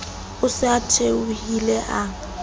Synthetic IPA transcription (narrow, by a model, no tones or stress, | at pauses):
ʊsɪatʰeuhilɛʔa